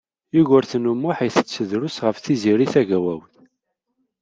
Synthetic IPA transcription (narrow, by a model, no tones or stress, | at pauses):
jiʝʊɾθnumːʊħiθət͡sːəðɾʊsʁəfθiziɾiθæʝæwæwθ